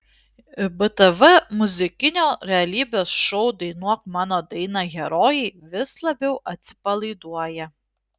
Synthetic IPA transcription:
bɨt̪ɛʋɛmʊzʲɪkʲɪnʲoːɾʲɛɐlʲiːbʲoːsʃɔʊd̪ɐɪnuɔkmɑːnoːd̪ɐɪnɑɣʲɛɾoːjɛɪʋʲɪslˠɐbʲɛʊʔɐt̪ʲsʲɪ̥pɐlˠɐɪd̪uɔjɛ

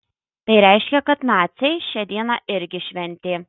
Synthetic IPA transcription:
t̪ɐɪɾʲɛɪʃʲkʲɛkɐt̪nɑːt̪sʲɛɪʃʲɛd̪ʲiɛnɑːʔɪɾʲɡʲɪʃʲʋʲɛnʲt̪ʲeː

